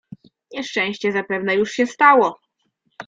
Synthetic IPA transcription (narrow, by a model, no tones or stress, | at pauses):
ɲɛʂt͡ʂɛ̃w̃ɕt͡ɕɛzapɛvnɛjuʂɕɛst̪awɔ